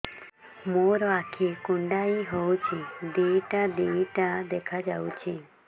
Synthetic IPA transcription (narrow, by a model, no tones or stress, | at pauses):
moɾɔakʰikuɳɖaiɦowt͡ʃʰid̪iiʈad̪iwiʈad̪ekʰad͡ʒawt͡ʃʰi